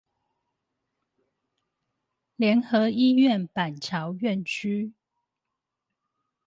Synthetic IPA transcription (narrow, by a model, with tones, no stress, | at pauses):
ljɛ˨˦˥nxɤ˨˦i˦ɥɛ˥˨npa˨˩nt͡ɕʰjɑ˨˦ʊɥɛ˥˨nt͡ɕʰy˦